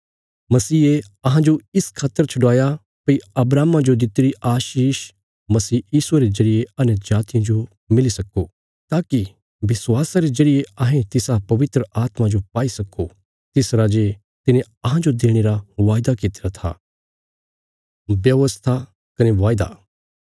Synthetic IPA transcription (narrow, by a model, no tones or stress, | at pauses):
mɐsiːe | ɐɦãd͡ʒoɪskʰaːt̪ːəɾt͡ʃʰʊɽaːja | pɐiɐbɾaːmãd͡ʒod̪ɪt̪ːeɾiʔaːʃiːʃ | mɐsiːjiːsueɾezɐɾijeɐnɛd͡ʒaːt̪ɪjãd͡ʒo | mɪlisɐko | t̪aːki | bɪsʋaːsaɾezɐɾijeɐɦẽt̪ɪsapɐʋɪt̪ɾəʔaːt̪mãd͡ʒopaːisɐko | t̪ɪsɾad͡ʒe | t̪ɪnẽ | ɐɦãd͡ʒod̪eːɽ̃eɾaʋaːjd̪akɪt̪eɾat̪ʰa̰ː | bjɐʋəst̪ʰa | kɐneʋaːjd̪a̰ː